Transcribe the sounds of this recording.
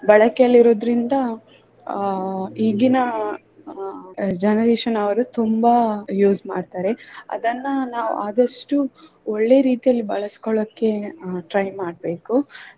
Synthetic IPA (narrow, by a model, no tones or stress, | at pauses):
bɐɭɐkɛjɐlːiɾo̞ːd̪ɾind̪ɐ | iːɡinɐ | d͡ʒɐnɐɾeːʃɐnɐʋɐɾut̪umbɐjuːzma̰ːɖt̪aːɾe̞ɐ̰d̪ɐnːɐnaːʋṵʔaːd̪ɐʂʈu | oɭːe̞ɾiːt̪ijɐlːibɐɭɐsi̥koɭɐkːe̞ʈɾɐjmaːɽbe̞ːku